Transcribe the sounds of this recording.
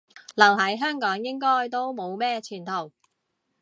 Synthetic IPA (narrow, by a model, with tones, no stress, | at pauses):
lɐ˨˩wɦɐ˨˥jɦœː˥ŋkɔː˨˥ŋjɪ˥ŋkɔː˥jt̪o˥wmo˨˧wmɛː˥t͡ʃʰyː˨˩nt̪ʰo˨˩w